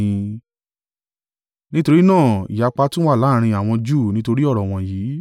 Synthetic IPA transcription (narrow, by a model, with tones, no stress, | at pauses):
ĩ˧ | nĩ˦to˧ɾi˦nãː˦˨ḭ˨ja˨˧k͡pa˧tũ˦wa˦˨la˦˨˧ɾ̃ĩ˧a˨w̃ɔ̃˧d͡ʒuː˦˨nĩ˦to˧ɾi˦ɔ˦˨ɾɔ˨w̃ɔ̃˧jiː˨˦